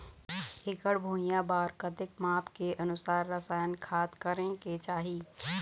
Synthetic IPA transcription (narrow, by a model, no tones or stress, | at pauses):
hɪkəɽbʱoːijãbaːɾkət̪ɪkmaːpkeʔɐnʊsaːɾːəsaːjənkʰaːt̪kəɾẽket͡ʃaːɦiː